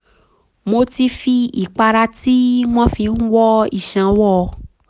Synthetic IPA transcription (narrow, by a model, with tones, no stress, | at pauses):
mo˧ti˧fi˧ḭ˨k͡pa˧ɾa˧ti˦w̃ɔ̃˦fi˧˦wɔ˦ḭ˦˨ʃã˨wɔ˦˨˧